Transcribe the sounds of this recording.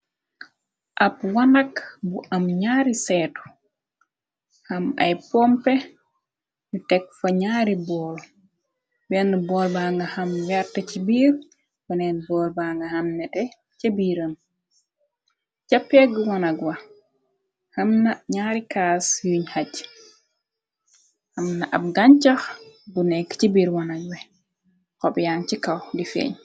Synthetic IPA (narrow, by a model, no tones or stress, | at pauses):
ʔapwanakbuʔamɲaːɾisɛːtɔ̥ | hama̰jpɔmpɛ | nutɛk̚faɲaːɾibɔːl | bɛnbɔːlbaŋɡahamwɛɾtɛt͡ʃibiːɾ | wɔnɛnbɔːlbaŋɡahamnɛtɛ | t͡ʃebiːɾən | t͡ʃapːɛɡuwanaɡwa | hamnaɲaɾikaːsjuɲhaɟ | hamnaʔab̚ɡaɲt͡ʃaxɡunɛkːt͡ʃibiːɾwanaɡ̚wɛ | kɔɓjaːnt͡ʃikawdifḛɲ